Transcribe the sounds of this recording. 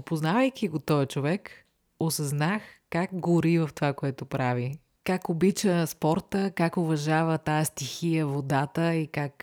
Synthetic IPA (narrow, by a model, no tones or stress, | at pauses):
poznavəjk̟ʲiɡot̪ɔjət͡ʃovɛk | osɐznaxkakɡoɾivɐft̪ovakoɛt̪ʊpɾavi | kakobit͡ʃəspɔɾt̪əkakovɐʒavət̪ajəst̪ixijəvod̪at̪əikak